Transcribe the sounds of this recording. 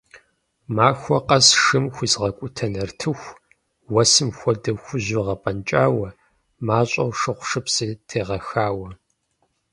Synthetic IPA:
maːxʷɔqʼɐsʂɨmxʷʊzʁɐkʷʼʊtʰɐnɐrtʰɨxʷ | wɐsɨmxʷɔdɐxʷʊʑɪʁɐpʼɐnt͡ʃʼaːwɐ | maːɕʼɐ̰wʂɨqʷʂɨpsɨtʰeːʁɐxaːwɐ

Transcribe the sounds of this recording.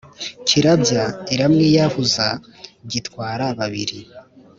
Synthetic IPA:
cʰiɾabɟaiɾamŋijahuza | ɟitkwaːɾaβaβiɾi

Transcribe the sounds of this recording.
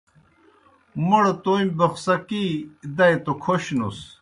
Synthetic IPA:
moɽt̪oːimʲbɐxsɐkid̪ɐjt̪okʰoɕnṵs

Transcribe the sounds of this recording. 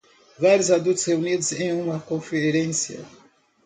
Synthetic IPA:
vaɾjʊzad̪ut̪ʊsheunid̪ʊzẽj̃ũmɐkõfeɾẽsjɐ̰

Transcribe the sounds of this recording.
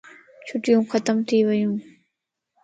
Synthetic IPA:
t͡ɕʰuʈ͡ʂjoŋkʰat̪amt̪ʰewajɔŋ

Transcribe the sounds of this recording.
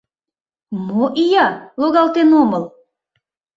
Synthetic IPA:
moʔijɑloɣɑlt̪enoməl

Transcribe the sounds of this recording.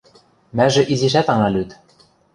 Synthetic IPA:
mæʒɘ̆ʔiziʃ̬æt̪ɑŋɑlyt̪

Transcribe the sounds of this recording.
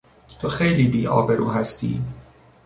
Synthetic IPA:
t̪ʰoxejliːbiːʔɒ̰ːbe̞ɾʔuːɦæst̪ʰḭː

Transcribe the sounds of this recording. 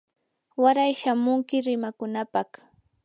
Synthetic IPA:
waɾajʃamʊŋkɪɾɪmakʊnapɑχ

